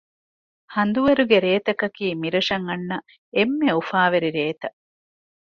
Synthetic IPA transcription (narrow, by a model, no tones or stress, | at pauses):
hɐnd̪uʋɐɾuɡeɾeːt̪ɐkɐkiːmiɾɐʂɐŋɐnːɐ | emːeufaːʋeɾiɾeːt̪ɐ